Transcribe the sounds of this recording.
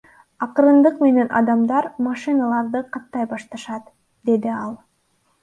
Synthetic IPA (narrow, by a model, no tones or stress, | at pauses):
ɑqɯɾɯnd̪ɯqme̞ne̞nʔɑ̰d̪ɑmd̪ɑɾmɑʃɨnɑlˠɑɾd̪ɯqɑt̪ːɑjbɑʃt̪ɑʃɑt̪ | d̪e̞d̪iɑlˠ